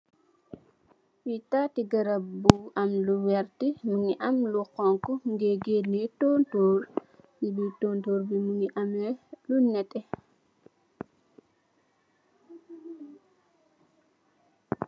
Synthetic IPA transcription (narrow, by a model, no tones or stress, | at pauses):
witatiɡɐɾabuʔamluwɛɾtimuŋiʔamluqɔŋkɔŋɡɛɡenɛtɔntoɾjibitoːntoːɾbimuŋiʔamɛlunɛtːɛ